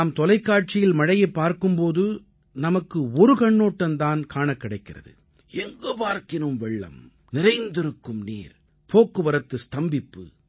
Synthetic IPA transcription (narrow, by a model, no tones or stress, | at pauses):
aːmt̪ɔlɐɪkːaːʈ̚t͡ʃɪjɪlmɐɻɐjɐpːaːɾkɯmpoːðɯ | nɐmɐkːɯɔɾɯkɐɳːoːʈːɐnt̪aːnkaːɳɐkːɪɽɐɪkːɪrɐ̰ðɯ̰ | ɛŋɡɯpaːɾkɪnɯmʋɛɭːɐ̰m | nɪɾɐɪnd̪ɪɾɯkːɯmnḭːɾ | pʰoːkːɯʋɐɾɐt̪ːɯst̪ɐmbɪpːɯ̰